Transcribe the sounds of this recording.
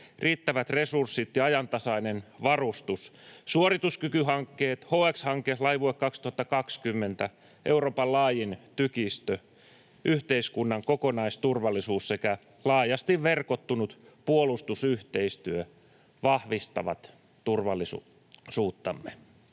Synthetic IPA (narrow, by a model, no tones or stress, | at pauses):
riːt̪ːæʋæt̪resursːit̪jɑɑjɑnt̪ɑsɑinenʋɑrust̪ussuorit̪uskykyhɑŋkːeːt̪hoːekshɑŋkelɑiʋuekkːɑkst̪uhɑt̪ːɑkɑkskymːent̪æ | ʔeuroːpɑllɑːjint̪ykist̪ø | ʔyht̪eiskunːɑŋkokonɑist̪urʋɑlːˑisuːssekæ | lɑːjɑst̪iʋʋerkot̪ːunut̪ | puolust̪usyht̪eist̪yø | ʋɑhʋist̪ɑ̰ʋɑ̰t̪ | t̪urʋɑlːˑis | suːt̪ːɑmːe